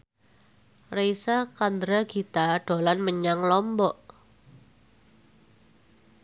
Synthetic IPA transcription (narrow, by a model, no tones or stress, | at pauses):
rejsakand̪ɾaɡ̥it̪aɖ̥o̤lanməɲaŋlɔmbɔʔ